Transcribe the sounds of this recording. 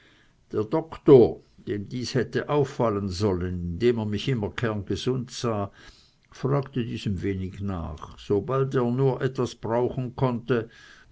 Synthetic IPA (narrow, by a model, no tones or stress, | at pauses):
d̥eːɐdɔktoːɐd̥eːmdiːshɛtəʔaʊfːalənzɔlənɪndeːmeːɐmɪçʔɪmɐkʰɛɐnɡ̥əzʊntz̥aː | fʁ̥aːktədiːzəmveːnɪçna̰ːχz̥obalteːɐnuːɐʔɛtv̥asb̥ʁaʊxn̩kʰɔntə